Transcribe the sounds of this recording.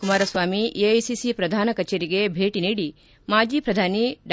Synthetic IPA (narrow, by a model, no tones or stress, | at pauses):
kumaːɾɐsʋaːmiejsisipɾɐd̪ʱaːnɐkɐt͡ʃeːɾiɡebʱeːʈiniːɽi | maːd͡ʒiːpɾɐd̪ʱaːniɖ